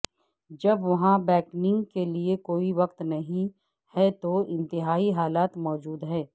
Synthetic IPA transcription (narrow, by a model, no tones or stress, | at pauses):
d͡ʒɐbʋɐɦãbɛːknɪ̃ŋɡkeliekoːiʋɐqt̪nɐɦĩ | hɛt̪oɪ̃nt̪ɪɦaːiɦaːlaːt̪mɔːd͡ʒuːd̪ɦɛː